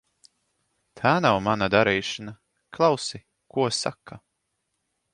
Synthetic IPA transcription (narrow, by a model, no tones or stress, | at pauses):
t̪ʰaːnawmanad̪aɾiːʃɨna | klˠɑwsi | kuɔsa̰kːa